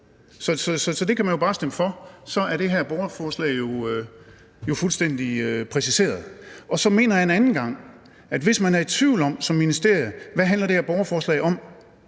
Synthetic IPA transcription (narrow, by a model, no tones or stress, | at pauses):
sɒ̽sɒ̽sɒ̽sɒ̽d̥e̝kʰæmænjo̝bɑ̈ːsd̥eməfɒ̽sɒ̽æɐɾ̥e̝ɦæɐ̰b̥ɒʊɐfɒːslɛ̰ɪjo̝ø | jo̝fulsd̥en̰d̥iøpʰʁɛsise̝̰ːɐð̩ˠɒ̽sɒ̽me̝̰ːnɐjɑenænn̩ɡ̥ɑ̈ŋ̰ | ʔæd̥ʋe̝smænæɐe̝d̥̚t͡sʰʋiʊ̰lɒ̽m̰sɒ̽mːinisd̥e̝ɐ̰jð̩ˠʋæɦænlɐd̥e̝hæɐb̥ɒʊɐfɒːslɛ̰ɪɒ̽m̰